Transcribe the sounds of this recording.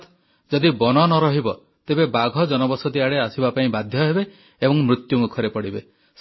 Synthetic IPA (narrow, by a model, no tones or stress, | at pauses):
t̪ | d͡ʒɔd̪ibɔnɔnɔɾɔɦibɔ | t̪ebebaɡʱɔd͡ʒɔnɔbɔsɔd̪iaɽeasibapaĩbad̪ʱjɔɦebe | ebɔŋmɾut̪jumukʰɔɾepɔɽibe | s